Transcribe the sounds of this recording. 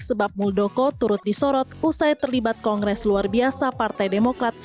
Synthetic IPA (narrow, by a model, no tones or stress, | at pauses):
ssəbap̚muldokɔt̪uɾʊt̪̚disɔɾɔt̪̚usajt̪ərlibat̪̚kɔŋɡɾɛsluarbiasapart̪ajdemokɾat̪̚